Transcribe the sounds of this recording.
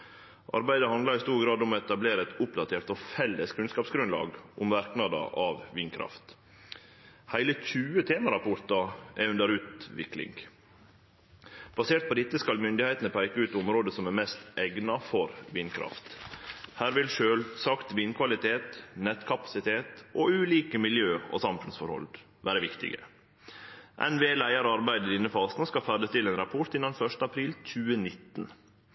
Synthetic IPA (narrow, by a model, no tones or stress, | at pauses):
ʔɑ̰ɾbæɪd̪əhɑnd̪lɑɾɪst̪uːɾɡɾɑːd̪ʊmɔɛt̪ɑbleːɾəɛt̪ʊpd̪ɑt̪ʰeːɾt̪ofɛlːəskʰʉnskɑːpsɡɾʉnlɑ̰ːɡʔʊmʋæɾknɑd̪ɑ̰ʔɑʋʋiːnkʰɾɑ̰ft̪ | hæɪləçʉːət̪ʰeːməɾɑpʊɾt̪ɑʔæʉnd̪əɾʉːt̪ʋɪ̰klɪ̰ŋɡ | b̥ɑseːʈ̪̚pʰɔd̪ɪt̪ːəskɑlmʏnd̪ɪhæɪt̪nəpʰæɪkəʉːt̪ʊmɾoːd̪əsɔmæɾmɛst̪ʔɛɡnɑfɔɾʋiːnkʰɾɑ̰ft̪hæːɾʋɪlʃøːlsɑkt̪ʋiːnkʰʋɑlɪt̪ʰeːt̪nɛt̪kʰɑpɑ̥sɪt̪ʰeːt̪ʔoʉːliːkəmɪljøːɔ̰sɑmfʉnsfɔɾhɔ̰ld̪ | ʋæːɾəʋɪkt̪ɪ̰ɡə̰ | ʔɛ̰nʋeːlæɪəɾɑɾbæɪd̪əd̪ɪnːəfɑːsnəskɑfæɖ̪əst̪ɪleːnɾɑpʰɔʈ̪ɪnɑnfœʂtəɑpʰɾiːlt͡ʃʰʉːənɪt̪ːn